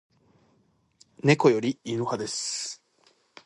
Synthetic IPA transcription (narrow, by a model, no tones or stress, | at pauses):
ne̞ko̞jo̞ɾʲiinɯhad̪e̞sɨ̥